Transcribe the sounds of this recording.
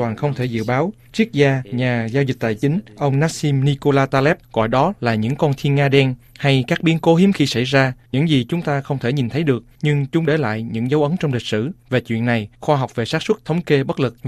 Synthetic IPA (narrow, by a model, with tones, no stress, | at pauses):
waː˨˩nxə˧wŋ͡mt̪ʰe˧˩zɨ̰˧˨ɓaː˨˦w | t͡ɕi˦˥ək̚zaː˧ɲaː˨˩zaː˧wzi˨˩k̟̚t̪a̰ː˧˨jt͡ɕï˨˦ŋ̟ʔə˧wŋ͡mnaː˦˥si˧mni˧ko˧laː˧t̪aː˧lɛ˦˥p̚ɣɔ̰˧˨jɗɔ˨˦laː˨˩ɲɨ̰˧˥ŋkɔ˧nt̪ʰi˧ənŋaː˧ɗɛ˧nha˧jkaː˦˥k̚ɓi˨˦ənko˨˦ɦi˨˦əmxi˧sa˧˩jzaː˧ɲɨ̰˧˥ŋzi˨˩t͡ɕʊ˨˦ŋ͡mt̪aː˧xə˧wŋ͡mt̪ʰe˧˩ɲi˨˩nt̪ʰə˨˦jɗɨ˨˩ək̚ɲɨ˧ŋt͡ɕʊ˨˦ŋ͡mɗe˧˩la̰ː˧˨jɲɨ̰˧˥ŋzə˨˦wʔə˨˦ŋt͡ɕɔ˧wŋ͡mlï˨˩k̟̚sɨ̰˧˩ve˨˩t͡ɕwḭ˧˨ənːa˨˩jxwaː˧ɦɔ˨˩wk͡p̚ve˨˩saː˦˥t̚swə˦˥t̚t̪ʰə˨˦wŋ͡mke˧ɓə˦˥lɨ˨˩k̚